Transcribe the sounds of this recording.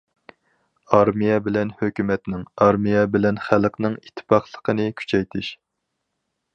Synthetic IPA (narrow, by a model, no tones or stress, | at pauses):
ɑɾmijɛbɪlɛnhøkʲymɛt̪nɪŋɑɾmijɛbɪlɛnχælqnɨŋit̪ʰːɨ̥pɑχlˠəqʰənɨkʲʰy̥t͡ʃʰɛjt̪ʰɪʃ